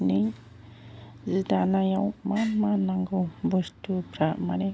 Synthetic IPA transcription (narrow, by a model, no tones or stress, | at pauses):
nij | zid̪anajawmanmanːaŋɡobɔstupʰɾamaɾe